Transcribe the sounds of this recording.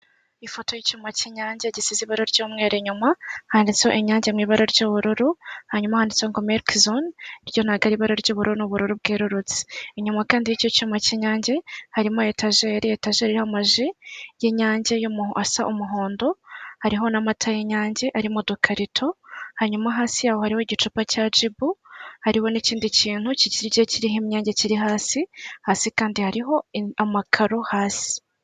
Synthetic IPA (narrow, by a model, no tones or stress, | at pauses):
ifotojicumaciɲaːɲɟeɟisiziβaɾoɾɟoːmŋe̞ːɾeɲumahaːndit͡shoʔeɲaːɲɟemŋiːβaɾoɾɟoːβuɾuɾuhaɲumahaːndit͡seoŋɡomeɾkzonɾjo̞n̥aɡaɾiβaɾoɾɟoːβuɾuɾunoβuɾuɾubɡeːɾuɾut͡si̥eɲumakaːndijicocumaceɲaːɲɟehaɾimojetaʒe̞ɾietaʒeɾiɾihamaʒijeɲaːɲɟejumuhʔasaʔumuɦoːndo̞haɾiɦo̞namatʰajeɲaːɲɟe̞ʔaɾimodokʰaɾitʰo̞haɲumaɦaːsijaːhohaɾiho̞ɟit͡ʃupacad͡ʒibuhaɾiho̞niciːndiciːn̥huciɟiɾiɟeciɾiɦimɲaːɲɟeciɾiɦaːsihaːsikaːndihaɾiɦo̞amakʰaɾohaːsi̥